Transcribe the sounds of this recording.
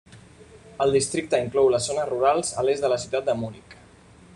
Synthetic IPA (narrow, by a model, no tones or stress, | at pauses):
əlˠd̪ist̪ɾik̚t̪əiŋklɔwləzonəruɾalˠzəlezðələsiwt̪at̪̚d̪əmunik